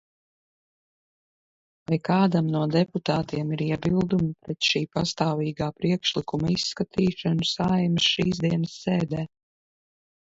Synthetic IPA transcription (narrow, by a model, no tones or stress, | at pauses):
vajkaːd̪amnuɔd̪ɛput̪aːt̪iɛmiɾiɛbilˠd̪umipɾɛt̪ʃiːpast̪aːviːɡaːpɾiɛkʃlikumaisːkat̪ʰiːʃanusajmsʃiːzd̪iɛnəsːeɛːd̪ɛː